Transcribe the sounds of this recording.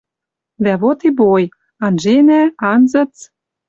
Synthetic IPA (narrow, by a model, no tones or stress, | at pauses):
d̪æβot̪iboj | ɑnʒenæɑnzɤ̆t͡s